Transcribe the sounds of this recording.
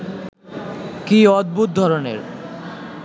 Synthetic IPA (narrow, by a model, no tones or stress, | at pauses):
kiɔd̪̚but̪̚d̪ʱɔɾonḛɾ